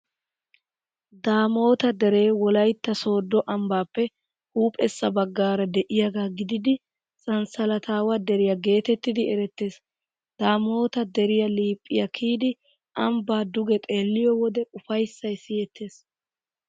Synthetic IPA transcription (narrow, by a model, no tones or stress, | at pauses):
d̪aːmo̞ːt̪ɐd̪ɛɾe̞ːwɔlɐjt̪ːɐso̞ːd̪ːɔʔɐmbaːpːɛ | huːpʼɛsːɐbɐɡːaːɾɐd̪ɛʔɪjaɡaːɡɪd̪ɪd̪ɪ | sʼɐnsɐlɐt̪ʰaːwɐd̪ɛɾɪjɐɡe̞ːt̪ɛt̪ːɪd̪ɪɛɾɛt̪ːe̞ːs | d̪̥aːmo̞ːt̪ɐd̪ɛɾɪjɐliːpʼːɪjɐkʰiːd̪ɪ | ʔɐmbaːd̪ʊɡɛt̪ʼe̞ːlːɪjɔwɔd̪ɛʊfɐjsːɐjsɪjɛt̪ʰːe̞ːs